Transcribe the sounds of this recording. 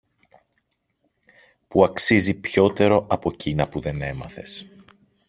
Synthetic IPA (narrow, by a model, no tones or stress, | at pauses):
puɐksizipço̞t̪e̞ɾo̞ʔɐpo̞cinɐpuðe̞ne̞mɐ̰θe̞̰s